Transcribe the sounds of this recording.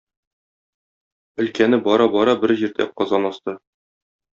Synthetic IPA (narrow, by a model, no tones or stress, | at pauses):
ɵ̆lkænɘbɒɾɑbɒɾɑbɘɾʑiɾd̪æ̰qɒzɑnɒst̪ɤ